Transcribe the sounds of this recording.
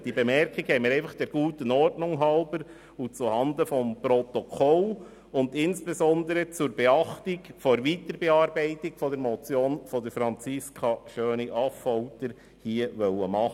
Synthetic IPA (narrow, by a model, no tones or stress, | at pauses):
d̥ibemɛɾkiɡhɛmiɾɛɪfɑχd̥ɛɾɡ̥uːtənɔrtnʊŋɦɑʊbəɾ | ut͡suhɑnd̪əfɔmpɾɔt̪ɔkʰɔl | ʊnd̪ɪnsb̥ezɔnd̪əɾət͡suɾbɛɑχtikfoɾʋiːtəɾbɛɑɾbɛɪtikfɔdɛɾmɔt͡sjoːnfɔdəɾfɾɑnt͡sɪskʰɑʃøːniʔɑfɔʊtəɾ | hiːəʋœwəmɑχə